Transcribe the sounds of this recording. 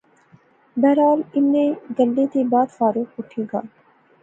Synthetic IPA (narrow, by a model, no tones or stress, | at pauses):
bɛːɾaːlɪnneɡɐlːeːt̪ebaːd̪faːɾuːkʊʈʰeːɡa̰ː